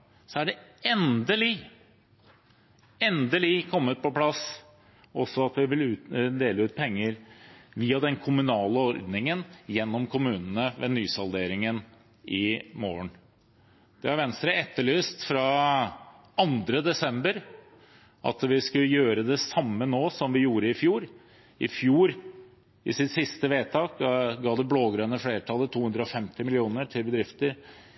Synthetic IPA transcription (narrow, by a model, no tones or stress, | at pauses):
sɔæɖɛɛnd̪əlɪ | ɛnd̪əlɪkʰɔmːət̪̚pɔpʰlɑs | ɔsɔɑt̪ʋɪʋɪlʉːd̪eːləʉːt̪̚pʰɛŋːəɾʋiːɑd̪ɛnkʰʊmʉnɑːləɔɾd̪nɪŋənjɛnːɔmkʰʊmʉːnən̩əʋɛ̰nyːsɑld̪eːɾɪŋən | ʔɪmoːəɳ | d̪̥ɛhɑɾʋɛnst̪ɾəɛt̪ːəɭyːst̪fɾɑ | ɑnd̪ɾəd̪ɛsɛmbəɾ | ʔɑ̰t̪ʋɪskʉjøːɾəd̪ɛsɑmːənoːsɔmʋɪjuːɾəɪfjuːɾ | ɪfjuːɾ | ɪsɪt̪sɪst̪əʋeːt̪ʰɑːkɡɑːd̪ɛbloːɡɾœnəfleːɾʈʰɑlːət̪ʰːuːhʉnd̪ɾəɔfɛmt̪ɪmɪlɪuːnəʈʰɪlbəd̪ɾɪft̪əɾ